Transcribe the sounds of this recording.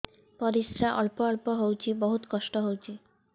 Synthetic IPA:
pɔɾisɾaʔɔlpɔɔlpɔɦowt͡ɕʰibɔɦut̪kɔʃʈɔɦowt͡ɕʰi

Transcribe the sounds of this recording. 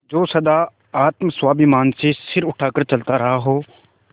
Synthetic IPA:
d͡ʒoːsɐd̪aː | aːt̪mswaːbimaːnsesɪɾʊʈʰaːkəɾt͡ʃɐlt̪aɾɐɦaɦoː

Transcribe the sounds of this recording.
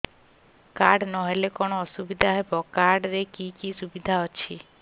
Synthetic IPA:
kaɖnɔɦelekɔñoɔsubid̪ʱaɦebɔkaɖɾekikisubid̪ʱaɦɔt͡ʃʰi

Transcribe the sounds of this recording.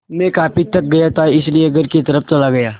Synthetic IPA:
mẽːkaːpit̪ɐk̚ɡɐjat̪ʰaɪslieɐɡəɾkit̪ɐɾəft͡ʃɐlaɡɐjaː

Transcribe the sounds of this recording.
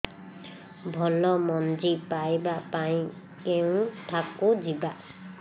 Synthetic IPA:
bʱɔlɔmɔnd͡ʒipajbapaĩ | kew̃ʈʰakːod͡ʒiba

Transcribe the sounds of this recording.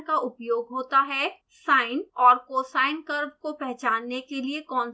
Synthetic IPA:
kaʔʊpjoːɡɦoːt̪aɦɛ | saːɪnɔːɾkoːsaːɪnkəɾb̚kopɾɛɦt͡ʃaːnːekeliekɔːn

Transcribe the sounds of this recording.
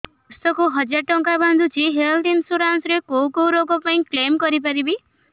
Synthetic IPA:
ust̪ɔkuɦɔd͡ʒaʈɔŋkaband̪ʱut͡ʃʰiɦelʈ̪insuɾansɾekowkowɾokɔpaĩklemkɔɾipaɾibi

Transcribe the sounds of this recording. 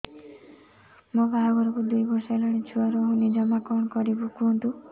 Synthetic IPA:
mobʱaɡɔɾɔkud̪ujbɔɾsɔelɔɽ̃it͡ʃʰuaɾɔɦũnid͡ʒɔmakɔɳɔkɔɾibukuɔnt̪u

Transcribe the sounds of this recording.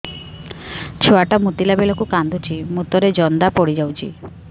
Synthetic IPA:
t͡ʃʰoaʈamut̪ilabelɔkukand̪ut͡ʃʰimut̪ɔɾed͡ʒɔnd̪apɔɽid͡ʒawt͡ʃʰḭ

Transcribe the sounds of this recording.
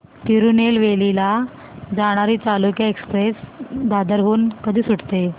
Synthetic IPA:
t̪iɾunelʋelila | d͡zaɽ̃aɾiːt͡salukjaekspɾesd̪ad̪əɾɦuːnkəd̪ʱiːsuʈt̪e

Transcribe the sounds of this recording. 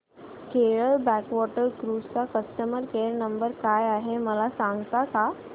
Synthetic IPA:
keɭəɭbækʋɔʈəɾkɾust͡sakəsʈəməɾkeɾnəmbəɾkajaɦeməlasãŋɡt̪aka

